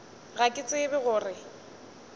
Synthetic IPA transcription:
ɣakʼɪt͡sʼɪbɪɣʊːrɪ

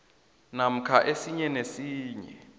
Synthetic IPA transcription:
nam̩kʰaʔesiɲɛnesiːɲɛ̰

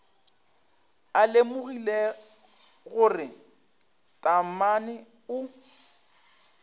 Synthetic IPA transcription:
alemʊɣile | ɣʊrɪ | tʼamanɪ | ʊ

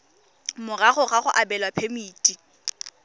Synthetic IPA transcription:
mʊraχʊɣaχʊʔabɛlwapʰemiːtʼi

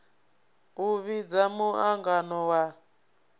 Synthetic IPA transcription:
uβid͡zamuaŋɡanɔwa

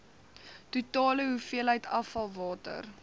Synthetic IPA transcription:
tutɑːləɦufiəlɦəjtɐfɐlˠvɑːtə̰r

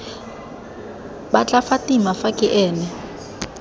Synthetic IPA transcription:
ɓat͡ɬʼafatʼimafakʼɪʔɛːnɛ

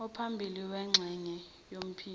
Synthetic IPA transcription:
ɔpʰambʱiliwɛŋ͡ǁʱɛɲɛ | jom̩pʰiː

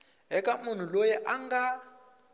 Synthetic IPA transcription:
ɦɛkʼamun̤ulojɛʔaŋɡa

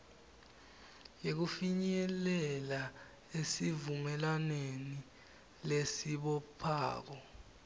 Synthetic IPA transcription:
jek̬ufiɲɛlɛla | esivumɛlaneni | lesiɓɔpʰa̰ːk̬ɔ

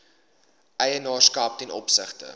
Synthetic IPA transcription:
ʔɛjənɑːskɑːp̚tɛnɔ̰psəχtə̰

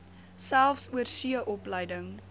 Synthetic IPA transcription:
sælˠfsuərsiəʔɔpləjdəŋ

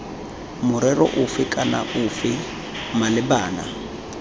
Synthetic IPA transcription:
mʊɾɛrɔ̰ʔʊfɪkʼana̰ʔʊfɪ | malɪbaːna̰

